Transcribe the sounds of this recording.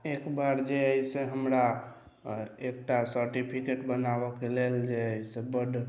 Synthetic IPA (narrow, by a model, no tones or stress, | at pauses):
ekbaɾd͡ʒeəiseɦəmɾa | ekʈasəɾʈipʰikeʈbənabɔkeleld͡ʒeəisebəɖ